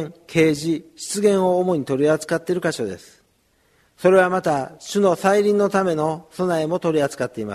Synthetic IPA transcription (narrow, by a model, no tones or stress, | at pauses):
kʰe̞ːʑiɕi̥t͡sɨɡẽ̞ɰ̃o̞ːmo̞ɲ̟it̪o̞ɾʲiat͡sɨ̥kat̪ːeɾɯ̟kaɕo̞d̪e̞sɨ̥ | so̞ɾe̞β̞amat̪aɕɨno̞saiɾʲĩnːo̞t̪ame̞no̞so̞naemo̞t̪o̞ɾʲiat͡sɨ̥kat̪ːe̞ima̰